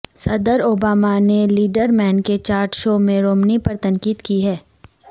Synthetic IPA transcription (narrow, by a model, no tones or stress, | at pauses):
sɐd̪əɾoːbaːmaneliːɖəɾmɛːnket͡ʃaːɾʈʃoːmẽɾoːmnipɐɾt̪ɐ̃ŋkiːd̪kiɦɛː